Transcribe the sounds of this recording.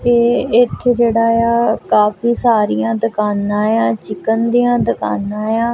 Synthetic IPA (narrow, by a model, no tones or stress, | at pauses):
eːɪt̪ʰːeːd͡ʒeːɽaːjaːkaːpiːsaːɾijãːd̪əkaːnãːjãːt͡ʃɪkənd̪ijãːd̪əka̰ːnãːjãː